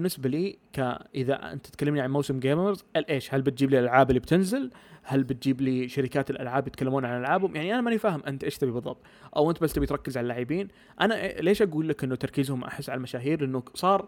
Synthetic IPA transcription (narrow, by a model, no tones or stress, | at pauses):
bɪnːɪsbaliːka̰ʔɪða̰ʔɪ̰nt̪ḁt̪̚kalːamniʕanmawsɪmɡeːmɪɾzʔɪlʔeːʃhalbɪt̪̚d͡ʒiːblilʔalʕaːbɪlːib̚t̪ʰɪnzɪlhalbɪt̪̚d͡ʒiːbliʃaɾɪkaːt̪ɪlʔa̰lʕaːbjɪt̪̚kalːamuːnʕanʔalʕaːbhʊmjaʕniʔanamanifaːhɪmʔɪnt̪ʔeːʃt̪abibɨðˤːɑ̰b̚t̪ˤʔa̰wʔɪnt̪balt̪abijt̪ɾˤɑkːɪzʕalalːaːʕɪbiːn | ʔanaʔleːʃʔaɡuːlːakʔɪnːʊt̪ɑɾˤkiːzhʊmʔa̰ħɪsːʕalamaʃaːɦiːɾlʔɪnːʊsˤɑːɾˤ